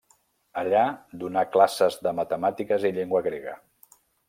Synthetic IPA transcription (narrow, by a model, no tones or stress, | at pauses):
əʎad̪unaklasəzðəmət̪əmat̪ikəziʎeŋɡwəɣɾeɣə